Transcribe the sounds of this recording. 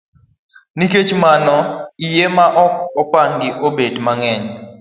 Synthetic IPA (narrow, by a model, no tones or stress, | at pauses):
niket͡ʃmanɔijemaʔɔɔpaŋɡɪʔobedmaŋɛɲ